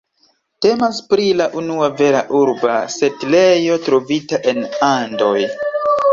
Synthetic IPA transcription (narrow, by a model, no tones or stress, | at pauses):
te̞maspɾilaʔunuave̞ɾa̰ʔuɾbase̞tlejo̞tɾo̞vitaʔe̞nando̞j